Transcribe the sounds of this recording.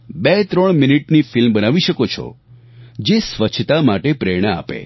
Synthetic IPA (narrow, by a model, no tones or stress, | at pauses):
bet̪ɾəɳ̃miniʈnifilmbənaʋiʃəkot͡ʃʰɔ̰ | d͡ʒesʋət͡ʃʰt̪amaʈepɾeɽ̃əa̰pḛ